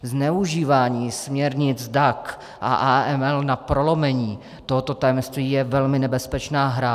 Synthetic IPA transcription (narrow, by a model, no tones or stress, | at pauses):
znɛuʒiːvaːɲiːsmɲɛɾɲɪt͡sdak | ʔa̰ʔaːɛmɛlnapɾolomɛɲiː | t̪o̞ɦot̪o̞t̪ajɛmst̪viːjɛvɛlmɪnɛbɛspɛt͡ʃnaːɦɾa